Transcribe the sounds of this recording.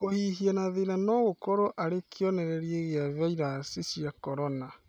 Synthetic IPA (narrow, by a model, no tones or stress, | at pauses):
kohiɦianaðenanɔɣokɔɾɔʔaɾekʰeɔnɛɾɛɾieɣeavaiɾasisjakɔɾɔna